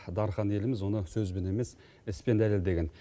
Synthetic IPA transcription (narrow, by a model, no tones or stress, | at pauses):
d̪ɑɾχɑne̞lɪmɪzwo̞nəsɵzbɪne̞me̞s | ɪspend̪æle̞ld̪e̞ɡʲe̞n